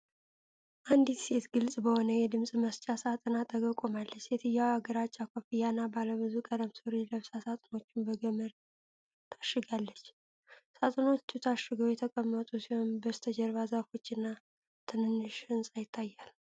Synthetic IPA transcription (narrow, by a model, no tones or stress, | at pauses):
ʔand̪it̪set̪ɡɨlsʼbəho̞nəjɛd̪ɨmsʼməst͡ʃʼasat̪ʼɨnat̪ʼʰəɡəkʼomalːət͡ʃːjɛt̪ʰɨjawaɡəɾat͡ʃʼːakʷʰofijanabaləβɨzukʼəd̪əmsɨɾeləβsasat̪ʼɨno̞t͡ʃːɪnbəɡəməɾ | t̪ʰḁʃɨɡalːət͡ʃː | sat̪ʼɨno̞t͡ʃːut̪ʰaʃːɨɡəwjɛt̪ʰəkʼəmːət̪ʼusihonbəst̪ʰəd͡ʒəɾβazafo̞t͡ʃːɨnːa | t̪ʰɨnɨnːɨʃɨnsʼajɪt̪ʰːajːal